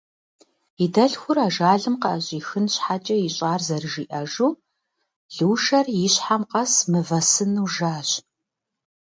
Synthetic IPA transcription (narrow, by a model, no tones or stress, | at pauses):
idɐɬxʷʊraːʒaːɮɨmqɐʔɐɕʼiːxɨnɕħat͡ʃʼɐjɪɕʼaːrzɐrɨʒiːʔɐʒuː | ɮɨwʃɐrjɪɕħamqɐsmɨvɐsɨnuwʒaːɕ